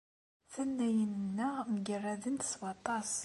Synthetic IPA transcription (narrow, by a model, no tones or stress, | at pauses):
θænːæjənənːəʁməɡərːæðənt̪swɑt̪ˤɑs